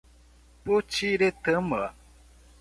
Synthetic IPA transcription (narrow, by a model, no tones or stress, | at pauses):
pot͡ʃiɾet̪əməa